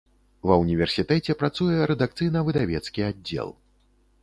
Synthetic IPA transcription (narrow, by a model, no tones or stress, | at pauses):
vɐwnʲivʲɛrsʲit̪ɛt͡sʲɛpɾat̪sujɛɾɛd̪akt̪sɨjnɐvɨd̪avʲɛt̪skʲiadʲːɛ̰lˠ